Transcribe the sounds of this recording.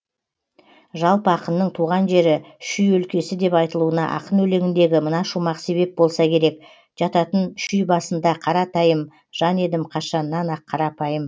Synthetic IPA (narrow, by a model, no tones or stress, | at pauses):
ʒɑlˠpəɑqənːəɴt̪ʰuʁɑnʒe̞ɾɪʃʏjɵlkʲe̞sɪd̪e̞pɑjt̪əlˠuənɑ̰ʔɑ̰qənɵle̞ŋʲɪnd̪e̞ɡʲɪmənɑʃumɑqse̞βe̞p̚bo̞lˠsɑkʲʰe̞ɾe̞k̚ | ʒ̥ɑt̪ɑt̪ənʃʏjbɑsənd̪ɑqʰɑɾɑt̪ɑjəm | ʒ̥ɑne̞d̪ɪmqʰɑʃɑnənːɑnɑqʰːɑɾɑpɑjəm